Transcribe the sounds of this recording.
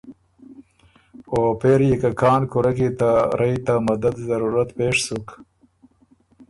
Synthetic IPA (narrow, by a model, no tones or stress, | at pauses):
opeɾjekakɑːnkʊɾakit̪aɾajt̪amad̪ad̪zaɾuɾat̪peːʂsuk